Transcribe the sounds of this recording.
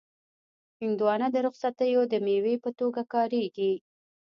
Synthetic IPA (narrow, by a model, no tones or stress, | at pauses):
hɪŋd̪uwɑnəd̪əɾʊxsat̪əjod̪əmewepət̪oɡakɑɾeɡi